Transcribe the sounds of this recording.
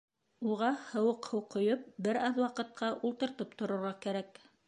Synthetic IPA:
uʁɑhɤ̆wɤqhowqʰŏjɤp̚bɘɾɑðwɑqɤ̆t̪̚qʰɑʔulˠt̪ɤ̆ɾt̪ɤpt̪ŏɾɤ̆ɾʁɑkæɾæk

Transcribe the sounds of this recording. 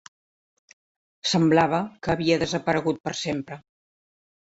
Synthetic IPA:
səmblaβəkəːβiəðəzəpəɾəɣut̪̚pəɾsempɾə

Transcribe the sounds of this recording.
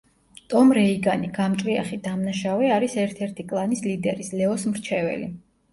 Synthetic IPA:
t̪ʼɔmɾɛiɡaniɡamt͡ʃ̪ʼvia̰χid̪amnaʃavɛaɾisɛɾt̪ʰɛɾt̪ʰikʼlˠanislid̪ɛɾislɛɔsmɾt͡ʃʰɛvɛ̰lḭ

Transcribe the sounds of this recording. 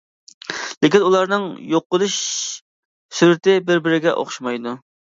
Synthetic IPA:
lɪkʲinulˠɑɾnɨŋjoqːʊlˠuʃ | syɾɪt̪ɪbɪɾbɪɾɪɡʲɛʔo̰χʃmɑjd̪u

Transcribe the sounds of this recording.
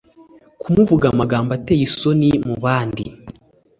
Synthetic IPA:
kumuvuɡamaɡaːmbatejiso̞nimuβaːndḭ

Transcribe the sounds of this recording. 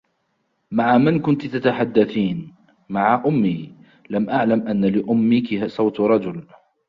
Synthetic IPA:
maʕamankʊnt̪t̪at̪aħad̪ːaθiːn | maʕaʔʊmːiː | lamʔaʕlamʔanːalɪʔʊmːɪkɪsˤɑwt̪ɾˤɑd͡ʒʊl

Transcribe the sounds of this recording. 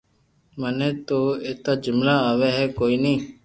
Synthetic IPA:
mənẽːt̪oːeːt̪aːd͡ʒɪmlaːaːʋeːɦɛːkoːiːnĩː

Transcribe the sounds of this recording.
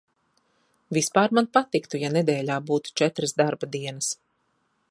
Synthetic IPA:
vʲispaːɾmanpat̪ikt̪ujaned̪ɛːlʲaːbuːt̪u̥t͡ʃɛt̪ɾɨsd̪aɾbad̪iɛnɐs

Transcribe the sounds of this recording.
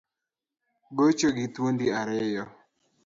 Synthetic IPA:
bot͡ʃoɡit̪wond̪iaɾɛjɔ

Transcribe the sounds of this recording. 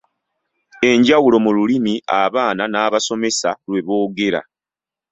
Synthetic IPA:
e̞ɲɟawulo̞mululimiʔaβaːnanaːβaso̞me̞salwe̞βo̞ːɡe̞ɾa̰

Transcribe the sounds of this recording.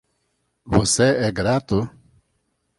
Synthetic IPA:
voseɛɡɾat̪ʊ

